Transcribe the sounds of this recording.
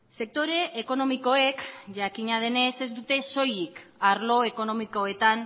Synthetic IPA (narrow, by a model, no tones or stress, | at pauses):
se̞k̚t̪o̞ɾe̞ʔːko̞no̞miko̞e̞kʝakiɲað̞e̞ne̞se̞zd̪ut̪e̞so̞jikaɾlo̞e̞ko̞no̞miko̞e̞t̪an